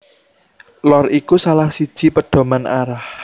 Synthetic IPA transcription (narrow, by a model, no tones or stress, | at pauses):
lɔrʔikusalahsid̥ʒ̥i̤pəɖ̥o̤manʔaɾah